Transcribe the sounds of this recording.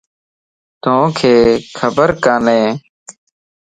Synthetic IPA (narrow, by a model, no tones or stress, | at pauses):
t̪õːkʰeːkʰəbəɾkaːneː